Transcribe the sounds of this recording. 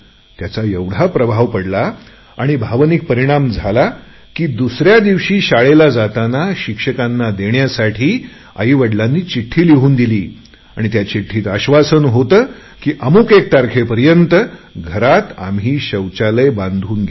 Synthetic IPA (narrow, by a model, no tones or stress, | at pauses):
t̪jat͡saeʋɽ̤apɾəbʱaʋpəɽlaː | ɽ̃ibʱaʋnik̚pəɾiɽ̃amd͡zʱala | kiːd̪usɾjad̪iʋɕiːɕaɭelad͡zat̪anaɕikʂəkanːad̪eɳjasaʈʰiː | a̰ɦiːʋəɽlanːiːt͡ɕiʈʰːiːliɦuːnd̪iliː | aɽ̃it̪jat͡ɕiʈʰːiːt̪aɕʋasənɦot̪əː | kiːʔəmuːkek̚t̪aɾkʰepəɾjənt̪əɡʱəɾat̪a̰mɦiːɕəwt͡ɕaləjbãnd̪ʱuːnɡe